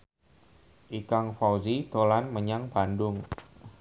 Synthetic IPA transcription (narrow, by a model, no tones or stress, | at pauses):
ʔikaŋfawzit̪olanməɲaŋb̥andʊŋ